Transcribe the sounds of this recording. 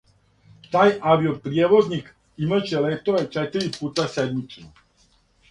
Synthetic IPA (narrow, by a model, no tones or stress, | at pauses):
t̪ajaʋiopɾiɛʋoznik | imət͡ʃɛlɛkt̪oɾɛt͡ʃɛt̪əɾiput̪asɛd̪mit͡ʃnɔ